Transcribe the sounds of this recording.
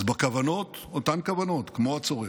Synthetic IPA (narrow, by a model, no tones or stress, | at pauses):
zbakavano̞tot̪ankavano̞t̪kmoat͡soʁe